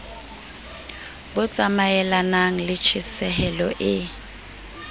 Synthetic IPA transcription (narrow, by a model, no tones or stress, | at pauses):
bʊt͡sʼamaɛlanaŋ̩lɪt͡ʃʰisɛhɛlɔʔɪ